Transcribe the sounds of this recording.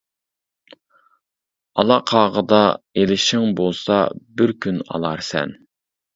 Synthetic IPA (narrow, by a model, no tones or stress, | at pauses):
ɑlˠɑqʰɑːʁəd̪ɑelɪʃɪŋbolˠsɑ̰bɪɾkʲʰynɑ̰lˠɑɾsɛ̰n